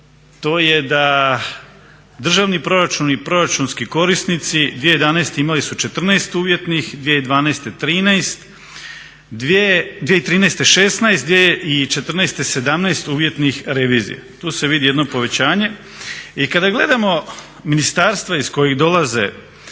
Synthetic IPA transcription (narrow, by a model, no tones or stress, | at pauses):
t̪o̞ːje̞d̪a | d̪r̩ʒaʋnipɾo̞ɾat͡ʃunipɾo̞ɾat͡ʃunskiko̞ɾisnit̪sid̪ʋiejed̪anejst̪eimalisut͡ʃe̞t̪r̩najst̪uːʋje̞t̪nixd̪ʋjieid̪ʋaːnast̪et̪ɾiːnajst̪ | d̪ed̪ʋjeit̪ɾiːnejst̪eʃesnajst̪d̪ʋjejeʔit͡ʃe̞t̪r̩najst̪ese̞d̪amnaest̪uːʋje̞t̪nixɾe̞ʋiːzḭja̰t̪uːse̞ʋid̪ijed̪no̞po̞ʋe̞t͡ɕaːɲe̞ | ikad̪aɡle̞̰d̪amo̞ | minist̪aɾst̪ʋaisko̞jiɣd̪o̞lazḛ